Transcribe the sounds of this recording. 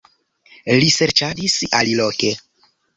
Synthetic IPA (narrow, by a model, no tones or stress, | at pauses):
liseɾt͡ʃadisaliloke̞